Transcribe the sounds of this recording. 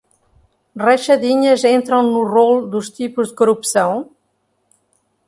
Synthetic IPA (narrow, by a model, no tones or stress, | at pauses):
rɐʃɐðiɲɐzẽnt̪ɾɐ̃w̃nurold̪uʃt̪ipuʒd̪ɨkuɾupsɐ̃w̃